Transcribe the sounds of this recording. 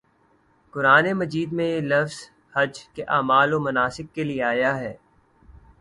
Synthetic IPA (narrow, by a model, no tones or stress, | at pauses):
kʊɾaːnemɐd͡ʒiːd̪mẽelɐfz̥ | hɐd͡ʒkeʔaːmaːlomɐnaːsɪkːelieaːjaɦɛː